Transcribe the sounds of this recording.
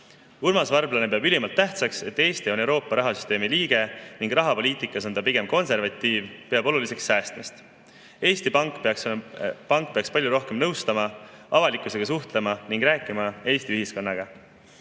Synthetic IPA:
urmɑsvɑrblɑne̞pe̞ɑbylimɑlt̪ːæht̪sɑkse̞t̪ːe̞ːst̪ione̞wɾo̞ːpːˑɑɾɑɦɑsy̥st̪e̞ːmiliːɡ̥e̞niŋɡrɑɦɑpo̞lʲiːt̪ˑikˑːɑso̞nd̪ɑpiɡ̥e̞mko̞nse̞rvɑt̪ːˑiːvpe̞ɑbo̞lulise̞ksːæːst̪mest̪ | e̞ːst̪ipɑŋkkpɑŋk̚peɑkspɑlʲjuɾo̞hke̞mnɤwst̪ɑmɑɑvɑlikːˑuse̞ɡ̥ɑs̬uht̪le̞mɑniŋɡ̥ɾæːkːˑimɑeːsʲt̪iyhisko̞nːɑɡ̥ɑ

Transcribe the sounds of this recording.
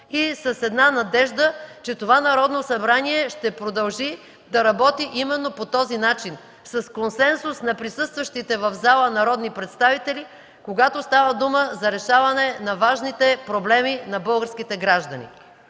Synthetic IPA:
isɐsɛd̪nanɐd̪ɛʒd̪ət͡ʃɛt̪ovanɐɾɔd̪nosɐbɾaniɛʃt̪ɛpɾod̪ɐlˠʒi | d̪ɐɾɐbɔt̪iʔimɛnːopot̪ɔzinat͡ʃin | sɐskonsɛnsusnɐpɾisɤst̪vəʃt̪it̪ɛvɐvzalˠənɐɾɔd̪nipɾɛt̪st̪avit̪ɛli | koɡat̪ost̪avəd̪uməzɐɾɛʃavɐnɛnɐvaʒnit̪ɛpɾoblɛminɐbɤlˠɡəɾskit̪ɛɡɾaʒd̪ɐnḭ

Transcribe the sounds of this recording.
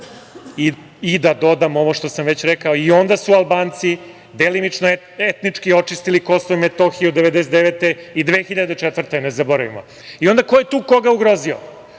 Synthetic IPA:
i | id̪ad̪o̞d̪amo̞ʋoʃt̪o̞samʋet͡ɕɾekaoio̞nd̪asualˠbaːnt̪si | d̪elimit͡ʂno | et̪nit͡ʂkio̞t͡ʂist̪iliko̞soimet̪oxiuod̪eʋed̪eset̪d̪eʋet̪eid̪ʋeːxiʎad̪et͡ʂɛt̪vr̩t̪enezaboɾaʋḭmo̰ | io̞nd̪akojet̪uːko̞ɡauɡɾo̞zio

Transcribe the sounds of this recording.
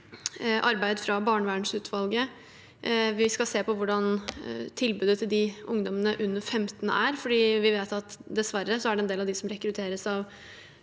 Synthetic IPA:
ʔɑɾbæɪd̪əfɾɑbɑːɳʋæːɳʂʉːt̪ʰʋɑlɡə | ʋɪskɑseːpɔʋʊɖɑnt̪ʰɪlbʉːd̪ət̪ʰɪld̪ɪʔʊŋd̪ɔmənəʔʉnːəɾfɛmt̪nə̰ʔæɾfɔɖiːʋɪʋeːt̪ɑt̪d̪ɛsʋæɾəsɔæɖɛnd̪eːlɑʋd̪ɪsɔmɾɛkɾʉt̪ʰeːɾəsɑʋ

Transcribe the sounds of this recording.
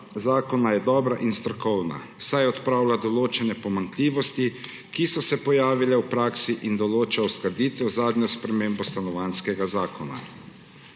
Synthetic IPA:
zaːkɔnajɛd̪ɔːbɾaʔinst̪ɾɔkɔwna̰wsajɔt̪pɾaːwlad̪ɔloːt͡ʃɛnɛpɔmank̪liːʋɔst̪i | kisɔsɛpɔjaːʋilɛwpɾaːksiʔind̪ɔloːt͡ʃawskɐɾd̪iːt̪ɔzaːd̪ɲɔspɾɛmeːmbɔst̪anɔʋaːnskɛɡazaːkɔna̰

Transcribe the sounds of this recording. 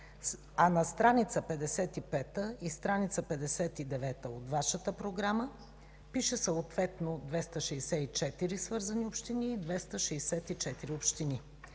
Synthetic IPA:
anɐst̪ɾanit̪səpɛd̪ɛsɛt̪ipɛt̪əist̪ɾanit̪səpɛd̪ɛsɛt̪id̪ɛvɛt̪əot̪vaʃət̪əpɾoɡɾamə | piʃɛsəot̪vɛt̪nod̪vɛst̪əʃɛjsɛit͡ʃɛt̪iɾisvɤɾzɐniopʃt̪iniːd̪vɛst̪əʃɛːsɛt̪it͡ʃɛt̪iɾiopʃt̪ini

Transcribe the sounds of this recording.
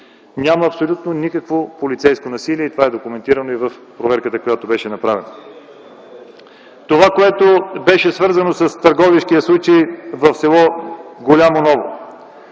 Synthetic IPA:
nʲaməːpsolʲut̪nonikəkvopolʲit̪sɛjskonɐsiliɛit̪ovaɛd̪okʊmɛnt̪iɾɐnoivəfpɾovɛɾkət̪əkojat̪obɛʃɛnɐpɾavɛnɐ | t̪ovakoɛt̪obɛʃɛsvɤɾzɐnosɐst̪ɐɾɡɔviʃkiɐslˠut͡ʃejvɐfsɛlˠɔɡolʲamonɔvo̰

